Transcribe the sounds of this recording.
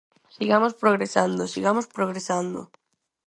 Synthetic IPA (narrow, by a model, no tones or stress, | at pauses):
siɣamospɾoɣ̞ɾesand̪osiɣamospɾoɣɾesand̪oʊ̰